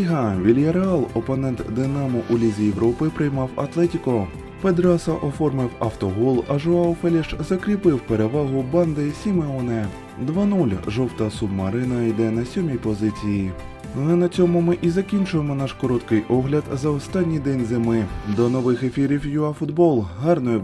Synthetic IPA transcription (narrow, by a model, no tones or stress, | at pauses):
iɦɐʋʲilʲjɐɾeɑlˠɔpɔnɛnt̪d̪ɪnɑmʊʔʊlʲizʲijeʋɾʔɔpɪpɾɪjmɑwɐ̰t̪lˠɛtʲikɔ | ped̪ɾɑsɐʔɔfɔrmɪwɐwt̪ɔɦɔlˠɐʒʊɑɔfɛlʲɛʃzɐkɾʲipɪwpe̞ɾeʋɑɦʊbɑnd̪ɪsʲimeɔnɛ | d̪ʋɑnulʲʒɔwt̪ɐsubmɐɾɪnɐid̪ɛnɐsʲɔmʲijpɔzɪt͡sʲiji | ɛnɐt͡sʲɔmʊmɪʔizɐkʲinʲt͡ʃʊjemɔnɑʃkɔɾɔt̪kɪjʔɔɦlʲɐd̪zɐɔst̪ɑnʲːijd̪ɛnʲzɪmɪd̪ɔnɔʋɪxefʲiɾʲiwjʊɑfʊd̪bɔlˠɦɑrnɔjʊ